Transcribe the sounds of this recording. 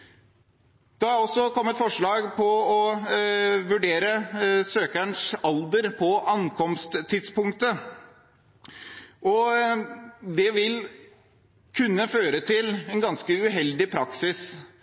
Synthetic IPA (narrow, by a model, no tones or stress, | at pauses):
d̪̥ɛhɑɾɾɔsːɔkʰɔmːət̪fɔʂɭɑːɡpʰɔɔ | ʋʉɖeːɾəsøːkæɳʂɑld̪əɾpʰɔʔɑnkʰɔmst̪t̪ʰːɪd̪spʊŋkt̪ə | ʔɔ | d̪ɛʋɪl | kʰʉnːəføːɾət̪ʰɪlɛnɡɑnskəʉɦɛld̪ɪpʰɾɑksɪs